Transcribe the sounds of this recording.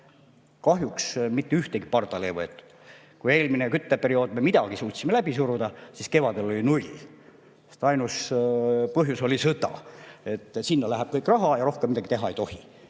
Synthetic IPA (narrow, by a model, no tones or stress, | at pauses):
kɑhjuksmit̪ːeyht̪eɡ̥i̥pɑrt̪ɑlejvɤet̪ːˑu̥d̪̥ | kuje̞ːlminekyt̪ːepe̞ɾio̞ːd̪̥̚memid̪ɑɡ̥isuːt̪simelæb̥isuɾud̪̥ɑsiske̞vɑd̪elo̞lʲinulʲ | e̥st̪ɑjnus | pɤɦjuso̞lʲisɤt̪ɑ̰e̞t̪ːˑsinːɑlæɦæb̥̚kɤjkˑrɑɦɑjɑɾo̞hkemːid̪ɑɡ̥it̪e̞ɦɑe̞jt̪o̞hi